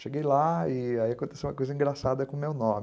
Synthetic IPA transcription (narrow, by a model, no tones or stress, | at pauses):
ʃeɡejlaɪaiakõt̪e̥sew̃mɐkojzɐ̃ĩŋɡɾasad̪ɐkõmewnõmɪ